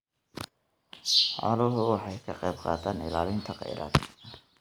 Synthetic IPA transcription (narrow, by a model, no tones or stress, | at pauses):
ħɑ̰lɔɦʊwɑħɑjkʰɐqɛb̚qɑ̰ːt̪ʰaːnɪ̰laːlɪnt̪ʰɐqɑ̰jɾʔa̰ːd̪